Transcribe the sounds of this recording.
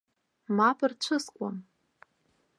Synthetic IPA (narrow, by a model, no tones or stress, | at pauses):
mapʰʼɨrt͡ʃʷʰɨskʷʼa̰m